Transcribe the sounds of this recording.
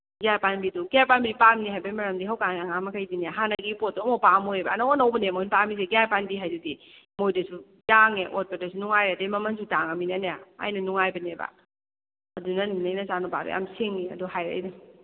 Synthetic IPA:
ɡiajpanbiduɡiajpanbiipamniɦajbɐimɐɾɐmdiɦawkaŋeɐŋamɐkʰajdinijaɦanɐɡipot̚domowpamojebɐ̰ːnaonawbɐnemojnpamis̬eɡijajpanbiɦajdudi | mojdɐsu | jaŋeʔot̚pɐdɐsunuŋajɾadejmɐmɐns̬utaŋaminɐnejaa̰jnɐnuŋajbɐnebɐ̰ | ɐdunɐninɐjnɐzanuba̰ɾṵja̰mseŋniɐ̰duɦajɾa̰jnu

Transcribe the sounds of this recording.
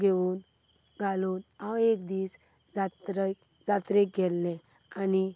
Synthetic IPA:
ɡʱeʋun | ɡalunawekd̪iːs | d͡zat̪ɾ | d͡zat̪ɾek̚ɡɛlːẽ | ani

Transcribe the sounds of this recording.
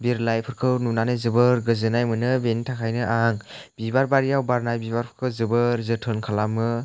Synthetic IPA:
biɾlajpʰɯɾkʰɯwnunanɯzɯbɯɾɡɯzɯnajmɯnɯbentʰakʰajnɯʔaŋbibaɾbaɾijawbaɾnajbibaɾpʰɯ̥ɾkʰɯwzɯbɯɾzɯtʰɯnkʰalamɯ

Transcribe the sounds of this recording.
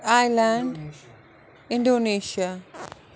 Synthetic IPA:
ajland | indoniʃa

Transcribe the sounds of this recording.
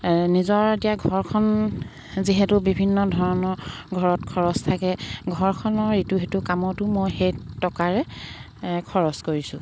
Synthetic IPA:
nizɔɹetijaɡʱɔɹkʰɔn | ziɦɛtʊbibʱinːɔdʱɔɹɔnɔɹɡʱɔɹɔtkʰɔɹɔstʰakɛɡʱɔɹkʰɔnɔɹituɦetʊkamɔtʊmojxejtɔkaɹɛ | kʰɔɹɔskoɹisʊ̃

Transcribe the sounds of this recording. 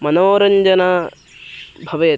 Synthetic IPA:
mɐnoːɾɐɲd͡ʒɐna | bʱɐʋɐjɐ

